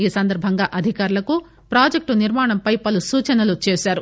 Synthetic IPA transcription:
iːsɐnd̪ɐɾbʱɐŋɡaːʔɐd̪ʱikaːɾulɐku | pɾaːd͡ʒek̚ʈuniɾmaːɳɐmpɐjpɐlusuːt͡ʃɐnɐlut͡ʃeːsaːɾu

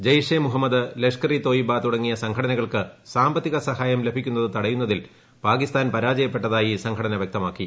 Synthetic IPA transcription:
d͡ʑɐjʂeːmuɦɐmːɐd̪ɨlekʂkɐɾit̪o̞ːjibaːt̪ːuɽɐŋːijɐsɐŋɡʰʱɐɽɐnɐɣɐɭkɨsaːmbɐt̪ːiɣɐsɐhaːjɐmle̞bʱikʲːunːɐðɨt̪ɐɽɐjunːɐðil | paːkist̪aːnpɐɾaːd͡ʑɐjɐpːe̞ʈːɐðaːjisɐŋkʰɐɽɐnɐʋjek̚t̪ɐmaːkːi

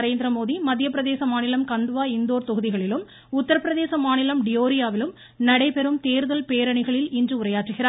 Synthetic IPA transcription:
ɾeːnd̪ɾɐmoːðimɐd̪ʱjɐpːɪɾɐðeːsɐmaːnɪlɐmkɐnd̪ɯʋaːɪnd̪oːɾt̪ɔɣɯðɪɣɐɭɪlɯm | ʊt̪ːɐɾɐpɪɾɐðeːsɐmaːnɪlɐmɖɪjoːɾɪjaːʋɪlɯm | nɐɽɐɪpɛɾɯmt̪eːɾðɐlpeːɾɐɳɪɣɐɭɪlɪndrɯʊɾɐjaːʈrɯɣɪɾaːɾ

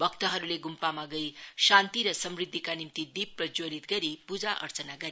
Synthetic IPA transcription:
bʌk̚t̪ʌɦʌɾuleɡumpamaɡʌjsant̪iɾʌsʌmrid̪ʱːikanimt̪id̪ibrʌd͡zolit̪ɡʌɾipud͡zaʔʌ̰ɾt͡sʌnaɡʌɾi

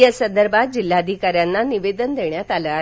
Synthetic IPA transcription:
əsənd̪əɾbʱat̪̚d͡ʑilːad̪ʱikaɾjanːaniʋed̪ənd̪eɳjat̪aləa

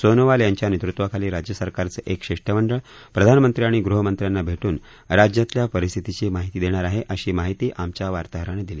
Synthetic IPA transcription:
sonəʋaljaɲt͡ɕjanet̪ɾut̪ʋəkʰaliːɾad͡ʑjəsəɾkaɾt͡səʔekɕeʂʈəməɳɖəɭ | pɾəd̪ʱanəmənt̪ɾiaɽ̃iɡɾuɦəmənt̪ɾjanːabʱeʈuːn | ɾad͡ʑjat̪ljapəɾist̪ʰit̪it͡ɕiːmaɦit̪iːd̪eɽ̃aɾaɦeʔəɕiːmaɦit̪iːʔamt͡ɕjaʋaɾt̪aɦɾəɽ̃ed̪iliː

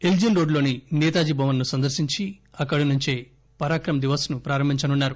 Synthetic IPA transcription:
eld͡ʒinɾoːɖlo̞ːniniːt̪aːd͡ʒibʱɐʋɐnːusɐnd̪ɐɾsiɲt͡ʃiɐkːɐɽinuɲt͡ʃeː | pɐɾaːkɾɐmd̪iʋɐsnupɾaːɾɐmbʱiɲt͡ʃɐnunːaːɾu

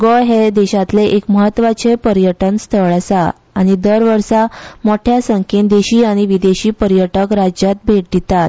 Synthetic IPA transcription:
ɡɔɦed̪eɕat̪leʔekməɦət̪ːʋat͡sepəɾjəʈənst̪ʰəɭasa | aɽ̃id̪əɾʋəɾsamoʈʰjasəŋkend̪eɕiːaɽ̃iʋid̪eɕiːpəɾjəʈəkɾad͡ʑjat̪̚bʱeʈ̚d̪it̪at̪̚

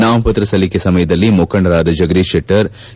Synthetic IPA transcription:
naːmpɐt̪ɾɐsɐlikesɐmɐjɐd̪ɐlːimokʰɐɳɐɾaːd̪ɐd͡ʒɐɡɐd̪iʂeʈːɐɾ

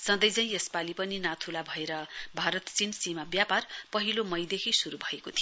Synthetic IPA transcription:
sʌ̃nd̪ʌjd͡zaĩespalipʌninat̪ʰulabʱʌeɾʌbʱaɾʌt̪t͡sinsimabjaparpʌɦilomʌjd̪ekʰisuɾubʱʌekot̪ʰijo

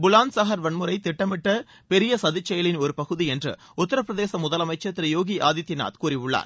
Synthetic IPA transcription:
bʊlaːnsɐɦɐɾʋɐɳmɯɾɐɪt̪ɪʈːɐmɪʈːɐ | pɛɾɪjɐsɐðɪt͡ʃːɐjɐlɪnɔɾɯpɐɣɯðiɛndrɯ̰ | ʊt̪ːɐɾɐp̬ːɾɐðeːsɐmʊðɐlɐmɐɪt͡ʃːɐt̪ːɪɾɐjoːɣiʔaːðɪt̪ːɪna̰ːt̪kuːɾɪʋʊɭːa̰ːɾ

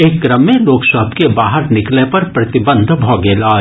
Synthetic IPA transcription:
eːkːɾəmːẽloːksəɦbkebaːɦəɾnɪklepɐɾpɾɐt̪ɪbə̃nd̪ʱbʱɔːɡeːlaː

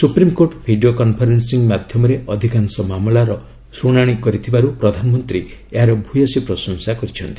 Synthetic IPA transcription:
supɾimkoʈbʱiɖiokɔnpʰɔɾensiŋmad̪ʱjɔmɔɾeʔɔd̪ʱikansɔmamlaɾɔ | suɽ̃aɽ̃ikɔɾit̪ʰibaɾupɾɔd̪ʱanɔmɔnt̪ɾieɦaɾɔbʱujɔsipɾɔsɔŋsakɔɾit͡ʃʰɔnt̪i̥

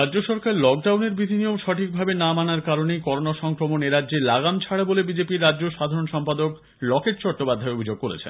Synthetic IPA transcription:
ɾadd͡ʑoʃɔɾkaɾlɔk̚ɖawneɾbɾid̪ʱiniomʃɔʈʰik̚bʱabenamanaɾkaɾonejkɔɾonaʃɔŋkɾomoneɾadːʑelaɡamt͡ɕʰaɽabolebid͡ʑepiɾːadʑoʃad̪ʱaɾonʃɔmpad̪ok | lɔkeʈt͡ɕɔʈ̚ʈːopad̪ʱːaeobʱid͡ʑoɡ̚koɾḛt͡ɕʰḛn

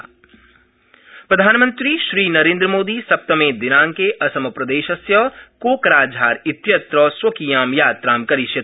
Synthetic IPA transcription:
pɾɐd̪ʱaːnmə̃nt̪ɾiʃɾiːnɐɾẽːnd̪ɾəmoːd̪isɐp̚t̪ɐmẽːd̪ɪnaːŋkeʔɐsɐmɐpɾɐd̪eːʃɐsjɐkoːkɾaːd͡ʒʱaːɾɪt̪jɐt̪ɾɐːswɐkijaːmjaːt̪ɾaːmkɐɾɪʃjɐ

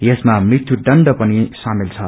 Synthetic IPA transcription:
jesmamrit̪ʰjuɖʌnɖʌpʌnisamilt͡sʰʌ

